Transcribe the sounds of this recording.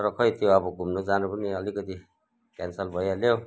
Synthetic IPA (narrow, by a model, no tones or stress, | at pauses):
ɾʌkʰʌjt̪joʌbʌɡʱumnod͡zanupʌniʌlikʌt̪i | kansʌlbʱʌjalo